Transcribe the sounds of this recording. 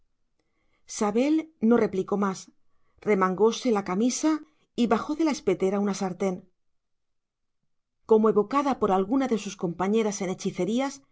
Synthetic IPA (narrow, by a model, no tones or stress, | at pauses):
saβe̞lno̞re̞pliko̞mas | re̞maŋɡo̞se̞lakamisa | iβaxo̞ðe̞lae̞spe̞t̪e̞ɾaunasaɾt̪e̞n | ko̞moe̞βo̞kaðapo̞ɾalɣunaðe̞susko̞mpaɲe̞ɾase̞ne̞t͡ʃiθe̞ɾias